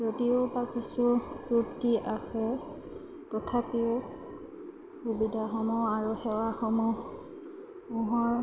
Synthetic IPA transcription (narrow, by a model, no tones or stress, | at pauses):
pɹotiʊpakisuputiʔasɛ | tɔtʰapiʊ | xubidʱaxɔmɔaɹuxɛwaxɔmɔ | muɦɔɹ